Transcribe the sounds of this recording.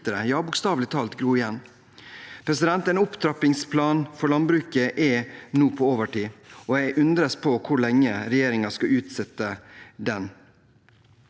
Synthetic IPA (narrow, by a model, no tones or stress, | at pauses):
əɾəjɑːbʊːkst̪ɑːʋlɪt̪ʰɑːlt̪ɡɾuːɪjɛnː | pʰɾɛsɪd̪ɛnt̪ɛːnʊpt̪ʰɾɑpɪŋspʰlɑːnfɔɭɑnbɾʉːkəʔɛnuːpʰɔoːʋəʈiːɔjæɡʔʉnd̪ɾəspʰɔkʰʊɭɛŋːəɾɛjeːɾɪŋɑskɑʉːt̪sɛt̪ːəd̪ɛn